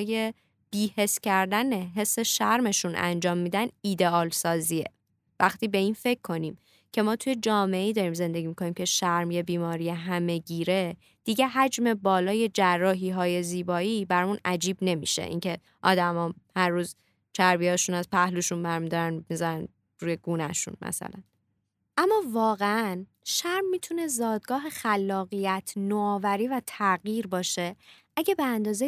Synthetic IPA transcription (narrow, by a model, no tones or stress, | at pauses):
je̞ | b̥iːhe̞sːcʰæɾd̪æneɦe̞sːe̞ʃæɾme̞ʃunʔæ̰nd͡ʒɒːmːiːd̪æniːd̪e̞ɒːlsɒːzie̞̰ | væxt̪ʰiːbe̞iːnfe̞kʰːo̞niːm | cʰe̞mɒːt̪ʰuje̞d͡ʒɒːme̞eiːd̪ɒːɾiːmze̞nd̪e̞ɟiːmikʰo̞niːmcʲʰe̞ʃæɾmjebiːmɒːɾijeɦæme̞ɟiːɾe̞ | d̪̥iɟe̞ɦæd͡ʒme̞bɒːlɒːje̞d͡ʒærːɒːɦiːɦɒːje̞ziːbɒːiːbæɾmunæd͡ʒiːbne̞mḭʃḛʔḭŋcʰe̞ | ʔɒ̰ːd̪æmɒːhæɾːuːz | t͡ʃʰæɾbijɒːʃunæz̥pʰæhluʃunbæɾmid̪ɒɾænmizæɾæn | ɾuːje̞ɡ̥uːnæʃṵnmæ̰sæ̰læn | ʔæmːɒːvɒːɣeæn | ʃæɾmːiːt̪ʰune̞zɒːd̪̚ɡɒːɦe̞xælːɒːɣijæt̪ʰnoɒːvæɾiːvæt̪ʰæɣjiːɾbɒːʃe̞ʔæɟæbeænd̪ɒːze